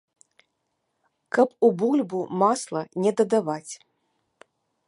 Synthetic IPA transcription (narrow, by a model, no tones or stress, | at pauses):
kɐpubulʲbumaslˠɐnʲɛd̪ɐd̪avat͡sʲ